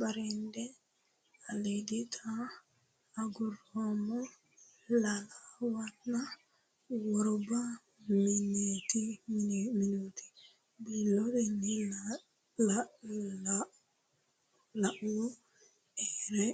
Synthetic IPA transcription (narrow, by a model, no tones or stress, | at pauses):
baɾindɛ | aleditʰa | aɡuɾɔmɔ | lalawaːa | wɔɾɔba | mineti | minoti̥ | bilɔɾɛni | lla | laʔwɔ | ɛɾɛ